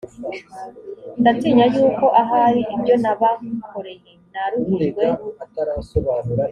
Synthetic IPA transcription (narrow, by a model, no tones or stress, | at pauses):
ndat͡siːɲajuːko̞ʔaɦaɾiʔibɟo̞naβakoɾe̞jenaɾuɡweaoβanu